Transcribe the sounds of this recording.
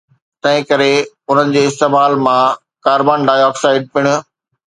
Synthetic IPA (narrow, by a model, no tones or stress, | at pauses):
t̪ɐ̃ɦɪ̃kɐɾe | ʊn̤ənɪ̆d͡ʑeːɪst̪eːmaːlmã | kaːɾbaːnɖaːɪjɔːksaːɪɖ̚piɽ̃ʊ̆